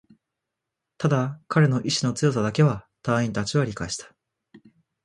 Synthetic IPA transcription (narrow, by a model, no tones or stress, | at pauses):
t̪ad̪akʰaɾe̞no̞ʔiɕino̞t͡sɨjo̞s̬ad̪ake̞βa | t̪ãĩnt̪at͡ɕiβaɾʲikaeɕi̥t̪ḁ